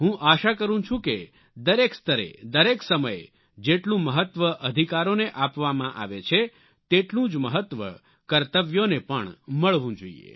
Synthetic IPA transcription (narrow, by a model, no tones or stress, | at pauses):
ɦũʔaʃakəɾũt͡ʃʰũke | d̪əɾekst̪əɾḛd̪əɾeksəməj | d͡ʒeʈlũməɦət̪ʋəʔəd̪ʱikaɾoneʔapʋamãʔa̰ʋet͡ʃʰe | t̪eʈlũd͡ʒməɦət̪ʋə̰ | kəɾt̪əʋjonepəɳməɭʋũd͡ʒoḭjḛ